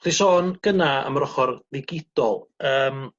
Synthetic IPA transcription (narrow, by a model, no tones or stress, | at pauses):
χisɔːnɡ̥ənaə̰mrɔχɔrðɪɡɪd̥ɔlˠəːm